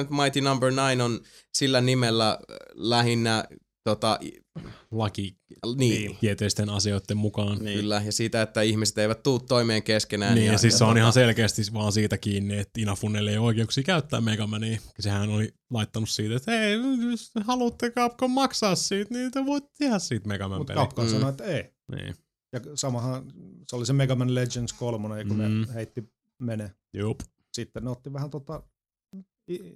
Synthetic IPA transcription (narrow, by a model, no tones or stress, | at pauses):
yt̪mɑit̪inɑmbərnɑinonsilːænimelːælæhinːæ | t̪ot̪ɑ̰ʔ | lɑkiniːiet̪eˑist̪enɑsioˑit̪ːemmukɑːnkːylːæjɑsiːt̪æet̪ːæihmise̥t̪eiʋæt̪t̪uːt̪toimeːŋkeskenæːniːɑsiːsseonihɑnselkeːst̪iʋɑːnsiːt̪ækiːnːiet̪ːinɑfunːeleioikeuksiːkæyt̪ːæ̰ːmeikɑmæneːksehænoli | lɑit̪ːɑnussiːt̪et̪hei | hɑlut̪ːekɑpkomɑksɑːssiːt̪niːt̪eʋoit̪ːt̪ehæssiːt̪meɡ̥ɑmæmut̪ḛkɑpkɑnsɑnoet̪ːei | nḭː | jɑsɑmɑhɑ̃seolisemeɡɑmænled͡ʒenskolmonejɑkuneheit̪ːi | mene | juːp | sit̪ːenneot̪ːiʋæhænt̪ot̪ɑ | i